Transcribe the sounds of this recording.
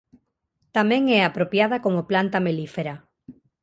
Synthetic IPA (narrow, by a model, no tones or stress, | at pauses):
t̪amẽŋɛapɾopjað̞akomoplant̪amelifeɾa